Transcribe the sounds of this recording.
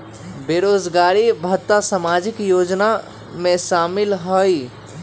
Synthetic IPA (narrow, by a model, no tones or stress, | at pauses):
beɾod͡ʒɡaɾibʱət̪ːasamad͡ʒikjod͡ʒna | mesamilɦəj